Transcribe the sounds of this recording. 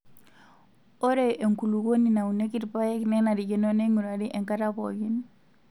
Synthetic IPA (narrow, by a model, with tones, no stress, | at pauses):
o˦ɾe˨ʔe˨ŋku˨lu˨ɡo˦ni˨na˨u˨ne˦ki˦tpa˦jɛ˦knɛ˦na˨ɾi˨ɡi˦no˦ne˦ŋu˨ɾa˨di˦ʔɛ˨ŋka˦ɾa˦pɔɡi˦n